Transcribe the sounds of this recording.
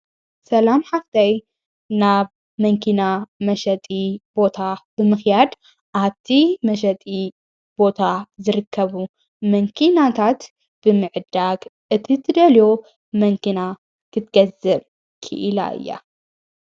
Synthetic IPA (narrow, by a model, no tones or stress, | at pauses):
sɐlamħaft̪ʰɐj | naβ | mɐŋkʰinamɐʃɐt̪ʼib̥o̞t̪ʰab̥ɨmɨxjad̪ | ʔaβt̪ʰimɐʃ̬ɐt̪ʼi | b̥o̞t̪ʰazɨɾɨkʰːɐβu | mɐŋkʰinat̪ʰat̪ | b̥ɨmɨʕɨd̪aɡ | ʔɨt̪ʰit̪ʰɨd̪ɐlo | mɐŋkʰina | kʰɨt̪ɡ̥ɐzɐβ | kʰɨ̰ʔɨla̰ʔɨ̰jːa̰